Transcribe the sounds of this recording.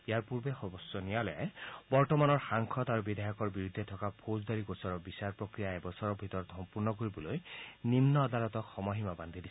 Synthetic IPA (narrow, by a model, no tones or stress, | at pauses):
ejaɹpuɾbexɔbɔsjɔnijaleabɔɹtɔmanɔɹxaŋkʰɔt̪aɾubid̪ʱajɔkɔɹbiɾud̪ʱːet̪ʰɔkapʰozd̪aɾikosɔɾɔbisaɹpɹɔkɾijaebɔsɔɾɔbʱit̪ɔɾɔt̪ʰɔmpuɾnɔkoɾibɔlojnimnɔːd̪alɔt̪ɔxɔmɔɦimaband̪ʱid̪is